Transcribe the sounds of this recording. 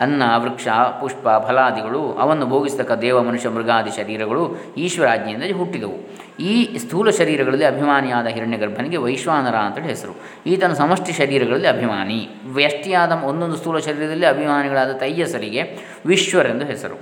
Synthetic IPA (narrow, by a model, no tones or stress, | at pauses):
ɐnːɐʋɾɨkʂɐpuʂpɐbʱɐlaːd̪iɡɐɭuɐ̰ʋɐnːubʱoːɡisd̪ɐkːɐd̪ɛːʋɐmɐnuʃjɐmɾɨɡaːd̪iʃɐɾiːɾɐɡɐɭu | iːʃʋɐɾaːd͡ʒnɐjind̪ɐɦuʈːid̪ɐʋu | iːst̪ʰuːlɐʃɐɾiːɾɐɡɐɭɐlːiɐbʱimaːnijaːd̪ɐɦiɾɐɳjɐɡɐɾbʱɐniɡe̞ʋɐjʃʋaːnɐɾaːɐnt̪ɐːɭeɦesɐɾṵ | iːt̪ɐnɐsɐmɐʂʈɐʃɐɾiːɾɐɡɐɭɐlːiɐbʱimaːni | ʋjɐʂʈijaːd̪ɐmond̪ond̪ust̪ʰuːlɐʃɐɾiːɾɐd̪ɐlːiɐbʱimaːniɡɐɭaːd̪ɐt̪ɐjːɐsɐɾiɡe̞ | ʋiʃʋɐɾend̪uɦesɐ̰ɾṵ